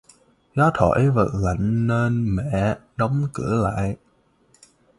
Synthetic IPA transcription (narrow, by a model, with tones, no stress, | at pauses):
za˨˦t̪ʰɔ̰˧˩˥jvə̰˧˨˩t̚la̰˧˨jŋ̟ːe˧nmɛ̰˧˨ɗə˨˦wŋ͡mkɨ˧˩əla̰ː˧˨j